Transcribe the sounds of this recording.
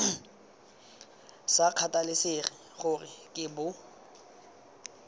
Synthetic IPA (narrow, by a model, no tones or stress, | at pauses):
saq͡χʰatʼalɪsɪχɪχʊrɪkʼɪbʊ